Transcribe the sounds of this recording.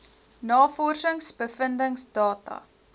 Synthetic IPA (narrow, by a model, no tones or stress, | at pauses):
nɑːfɔrsəŋsbəfəndəŋsdɑːtɐ̰